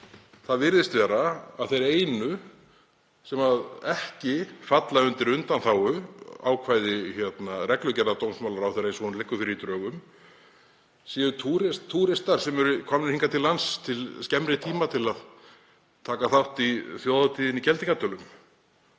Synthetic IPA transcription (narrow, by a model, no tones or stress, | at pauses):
θaðvɪɾðɪst̪vɛːɾaaðθejɾeːjnʏ | sɛmaðɛhcɪfat̪laʏnt̪ɪɾʏnt̪anθaːwʏa̰ːwkʰvaːjðɪçɛt̪narɛklœcɛɾnaɾt̪ownsmawlaɾawθɛɾensɔnlɪhkːʏfɪɾɪɾit̪ɾœːɣʏm | sɛːðʏt̪ʰuɾɪsʰuːɾɪst̪aɾ̥sɛmɛɾʏkʰɔmnɪɾhiŋkat̪ʰɪlːanst̪ʰɪlscɛmɾɪt̪ʰiːmat̪ʰɪlað | t̪ʰaːkaθawht̪iθjoːwðat̪ʰiːðɪnicɛlt̪ɪkat̪ːœlʏm